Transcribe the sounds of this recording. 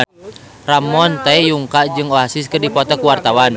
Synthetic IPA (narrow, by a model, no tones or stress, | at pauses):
ramɔnt̪aɛjuŋkad͡ʒɨŋɔɦasiskərdipɔt̪ɔkuwart̪awan